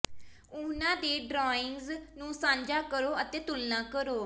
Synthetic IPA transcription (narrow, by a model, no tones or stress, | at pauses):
ʊnãːd̪eːɖɾɔːɪŋɡznũːsãːɲd͡ʒaːkəɾoːət̪eːt̪ʊlnãːkəɾoː